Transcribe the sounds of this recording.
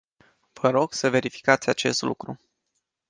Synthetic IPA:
v̥əɾo̞ɡ̥səve̞ɾifi̥kat̪sʲat͡ʃe̞st̪lṵkɾu

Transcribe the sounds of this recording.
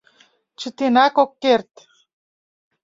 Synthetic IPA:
t͡ʃit̪inakokːeɾt̪

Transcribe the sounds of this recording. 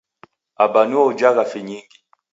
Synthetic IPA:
abaniɔd͡ʒaɣafiɲiŋɡi

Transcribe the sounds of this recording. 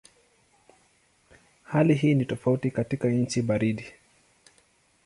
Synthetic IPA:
haliɦiːnitɔfautikatikaɲ̩t͡ʃiɓaɾiɗi

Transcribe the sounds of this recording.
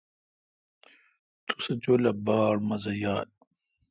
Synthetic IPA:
t̪u̥sɐd͡ʑoːlɐbaːɽmɐzɐjaːl

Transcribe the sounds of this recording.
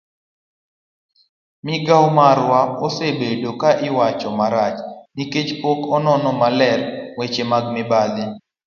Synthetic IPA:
mɪɡawmaɾwaɔsebedokaʔɪwat͡ʃɔmaɾat͡ʃniket͡ʃpɔkɔnɔnɔmalɛlwet͡ʃemaɡmɪbalɪ

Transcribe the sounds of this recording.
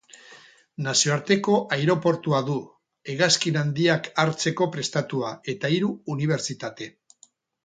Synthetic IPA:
nasio̞aɾt̪e̞ko̞ʔajɾo̞po̞ɾt̪uaðu | eɣaskinand̪iakaɾt͡se̞ko̞pɾe̞st̪at̪uae̞t̪aiɾuːniβ̞e̞ɾt͡sit̪at̪e̞

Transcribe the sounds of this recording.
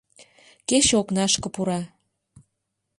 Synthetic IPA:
keʃoknɑʃkɤ̆puɾɑ

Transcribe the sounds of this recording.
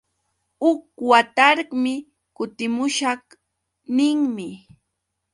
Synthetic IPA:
ʊk̚wat̪aɾɢmɪ | kʊt̪ɪmʊʃɑχ | nɪŋmɪ

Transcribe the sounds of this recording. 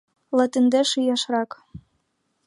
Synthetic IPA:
lɑt̪ɘ̆nd̪eʃɯjɑʃrɑk

